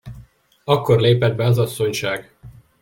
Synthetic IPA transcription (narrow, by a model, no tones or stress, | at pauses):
ɒkːo̞rleːpɛd̪̚bɛɒzɒsːo̞ɲʃaːɡ